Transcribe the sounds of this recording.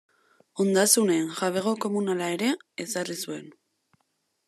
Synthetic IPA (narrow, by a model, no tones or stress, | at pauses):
ond̪asune̞ːnʝaβe̞ɣo̞ko̞munalae̞ɾe̞ːsarisue̞n